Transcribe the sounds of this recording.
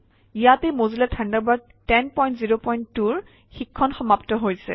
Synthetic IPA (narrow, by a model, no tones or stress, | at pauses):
ijatejmozilɛtʰandabaɹ | tɛnpɔj̃ntziɹopɔjnttːuɹ | xikʰːɔnxɔmaptɔɦojsɛ̰